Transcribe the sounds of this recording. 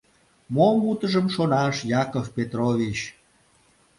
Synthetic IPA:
momut̪əʒəmʃonɑʃjɑkofpet̪rovit͡ɕ

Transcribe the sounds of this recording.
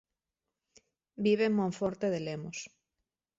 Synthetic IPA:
biβeŋmõɱfoɾt̪eðelemos

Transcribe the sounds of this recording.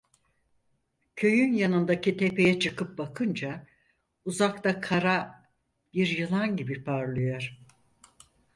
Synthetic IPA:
cʰø̞jynjanɯnd̪acit̪ʰe̞pe̞jɛt͡ʃʰɯkʰɯp̚bakʰɯnd͡ʒa | uzak̚t̪akʰaɾa | b̥iɾjɯlˠanɟibipʰaɾlˠɯjo̞ɾ̥

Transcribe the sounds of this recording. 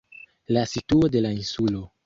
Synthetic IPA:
lasituode̞lainsulo̞

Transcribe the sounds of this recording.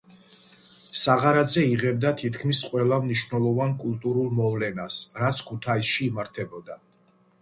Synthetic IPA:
saʁaɾazɛiʁɛb̚d̪at̪ʰit̪ʰkʰmisqʼwɛlˠamniʃvnɛlˠɔvankʼulˠt̪ʼuɾulˠmɔvlɛnasɾat̪sʰkʰut̪ʰaisʃiːmaɾt̪ʰɛbɔd̪a

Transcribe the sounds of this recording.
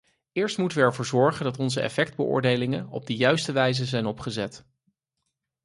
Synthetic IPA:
ɪːɹstmutəʋəɛɹvʊːɹzɔɹχəndɑtɔnzəɛ̰fɛkd̚bəʔʊ̰ːɹdejlɪŋənɔ̰b̚dəjœɥstəʋɛjzəzɛjnɔpχəzɛt

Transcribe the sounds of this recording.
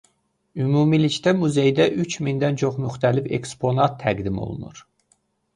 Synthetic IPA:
ymuːmilict̪æmuze̞jd̪æʔyt͡ʃʰmind̪ænt͡ʃʰo̞χmyxt̪ʰælifḛkspʰo̞nɑt̪ʰːæɡd̪imo̞̰lˠṵnṵɾ

